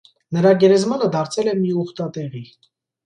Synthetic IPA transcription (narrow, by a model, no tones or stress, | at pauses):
nəɾɑɡɛɾɛzmɑnəd̪ɑɾt͡sʰɛlɛmiɔχt̪ɑt̪ɛʁi